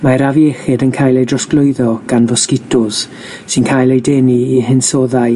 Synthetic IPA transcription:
maɾavjɛχɪdənkʰaːjlˠejdrɔsklˠʊjðɔɡ̥anvɔskɪtʰʊs | sɪnkʰaːjlˠejdɛniiɦɪnsɔːðaj

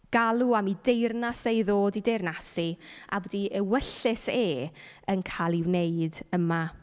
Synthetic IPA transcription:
ɡ̥alˠuamidejrnasejðoːdidejrnasiʔa̰wədiəwəɬɪseːənkʰaːlˠiwnejdəma

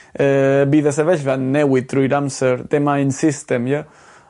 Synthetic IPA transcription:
ɛbiðas̬eβɛʃvanːɛwit̪ːɾujɾamseɾd̪emajnsist̪emja

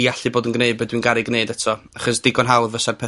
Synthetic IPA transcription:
jaɬiboːdənɡneɨbɛdwinɡaɾɪɡneɨdɛtʰɔaχɔsd̥ɪɡɔnɦawðvəsarpʰɛ

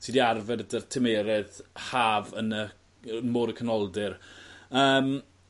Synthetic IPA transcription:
tʰiːdiarvɛrdərtʰɪmeːɾɛðhaːvənə | moːɾəkʰənɔlˠdɪrəːm

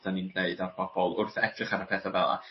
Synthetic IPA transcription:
d̥anindeɨdarb̥ʰɔb̥ɔlˠʊrθɛtʰrɪχaɾəpʰɛːθavɛlˠa̰

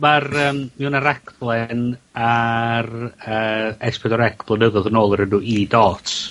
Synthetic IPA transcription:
marəːmmɛunaɾakʰblˠɛnarəːɛspʰɛdɔɾɛkʰblˠənəðɔðənoːlˠəɾənuidɔːtʰ

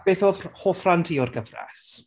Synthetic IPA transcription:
b̥eːθoːðhoːθrantʰiːɔrɡəvrɛ̰s

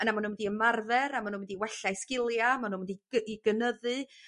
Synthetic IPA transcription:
ənamanuːnwdiəmarðɛɾamanuːnwɛdiwɛɬajskɪlˠjamanuːnwɛdiiɡənəðɨ

